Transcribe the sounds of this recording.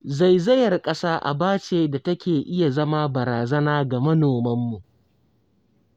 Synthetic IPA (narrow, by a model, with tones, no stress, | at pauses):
za˦˨jzɐ˦jɐ˨rkʼɐ˦saː˦ʔa̰˨baː˦t͡ʃeː˨da˨tɐ˦kʲeː˨ʔɪ˦ja˨zɐ˦ma˦bɐ˨ɾaː˨zɐ˦naː˦ɡa˨mɐ˦noː˨mɐ˦mːu˨ʔ